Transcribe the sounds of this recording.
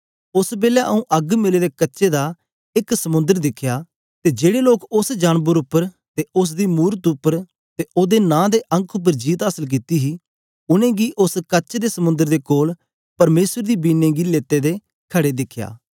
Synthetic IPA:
ʊsbeːljaʔəũːʔɐɡmɪleːdeːkətːʃed̪aː | ɪksəmʊ̃nd̪əɾd̪ɪkʰjaː | t̪ed͡ʒeːɽeloːkʊsd͡ʒaːnbəɾʊpːəɾ | t̪eʊs̬d̪iːmuːɾət̪ʊpːəɾ | t̪eoːd̪eːnãːd̪eːʔə̃ŋkʰʊp̬ːəɾd͡ʒiːt̪ɦaːsəlk̬it̪iɦiː | ʊnẽːɡiʔʊskəːt͡ʃed̪eːsəmʊ̃nd̪əɾd̪eːkoːl | pɐɾmeːsəɾd̪iːbiːnẽːɡileːt̪ːeːd̪eː | kʰəɽeːd̪ɪkʰja̰ː

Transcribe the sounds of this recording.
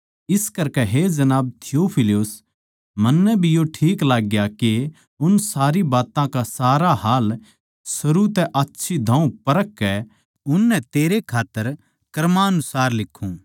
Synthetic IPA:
ɪskɐɾkɛɦed͡ʒɐnaːb̚t̪ʰɪjoːpʰɪliʊs | mɐnːɛbʱijoʈʰiːklaːɡːjake | ʊnsaːɾibaːt̪ãkasaːɾaɦaːl | sɐɾut̪ɛʔɐtːʃʰid̪ʱãːũpɐɾəkːɛ | ʊnːɛ̃t̪eːɾekʰaːt̪ːəɾ | kɐɾmaːɐnʊsaːɾlɪkʰːũ

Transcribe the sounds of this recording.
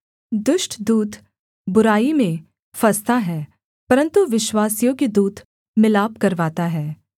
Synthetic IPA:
d̪ʊʃʈʰd̪uːt̪ | bʊɾaːimẽ | fɐst̪aɦɛː | pɐɾə̃nt̪uʋɪʃwaːsijõkid̪uːt̪ | mɪlaːpkɐɾʋaːt̪aɦɛː

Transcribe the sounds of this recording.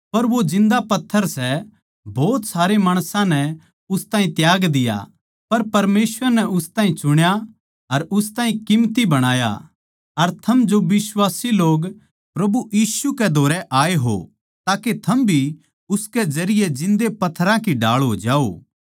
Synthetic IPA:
pɐɾʋod͡ʒɪ̃nd̪apɐt̪ʰːəɾsɛ | bɔːt̪saːɾemaːɽ̃sãnɛ | ʊst̪ãːɦĩt̪jaːɡd̪ɪja̰ | pɐɾpɐɾmeːsʋəɾnɛʊst̪ãːĩt͡ʃʊɽ̃ja | ɐɾʊst̪aːɦĩkɪmt̪ibɐɽ̃aːja̰ | ɐɾt̪ʰɐmd͡ʒoʋɪswaːsiloːɡ | pɾɐbujiːsukɛd̪ʱoːɾɛʔaːeɦo̰ | t̪aːket̪ʰɐmbʱi | ʊskɛd͡ʒɐɾɪjɛd͡ʒɪ̃nd̪epɐt̪ʰːəɾãkiɖa̰ːɭɦo̰ːd͡ʒaːo̰ː

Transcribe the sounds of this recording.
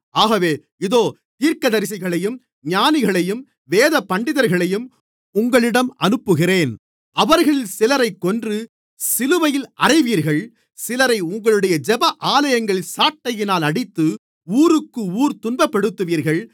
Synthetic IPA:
aːɣɐʋeː | ɪðoː | t̪iːɾkɐðɐɾɪs̬ɪɣɐɭɐjɯm | ɲaːnɪɣɐɭɐjɯm | ʋeːðɐpɐɳɖɪðɐɾɣɐɭɐjɯm | ʊŋɡɐɭɪɽɐmɐnɯpːɯɣɪreːn | ɐʋɐɾɣɐɭɪlsɪlɐɾɐɪkːɔndrɯ | sɪlɯʋɐjɪlʔɐrɐɪʋiːɾɣɐɭ | sɪlɐɾɐɪʊŋɡɐɭɯɽɐjɐd͡ʒɛbɐʔaːlɐjɐŋɡɐɭɪlsaːʈːɐjɪnaːlɐɽɪt̪ːɯ | uːɾɯkːɯuːɾt̪ʊnbɐpːɐɽɯt̪ːɯʋiːɾɣɐɭ

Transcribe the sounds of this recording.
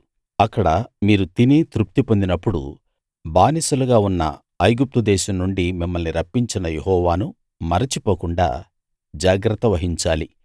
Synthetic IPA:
ɐkːɐɽɐmiːɾut̪init̪ɾup̚t̪ipo̞nd̪inɐpːuɽṵ | baːnisuluɡaːunːɐ̰ | ɐjɡup̚t̪ud̪ɛːʃɐmnuɳɖimimːɐlniɾɐpːiɲt͡ʃinɐjeɦɔːʋaːnu | mɐɾit͡ʃipoːkuɳɖa̰ː | d͡ʒaːɡɾɐt̪ːɐʋɐɦiɲt͡ʃaːli

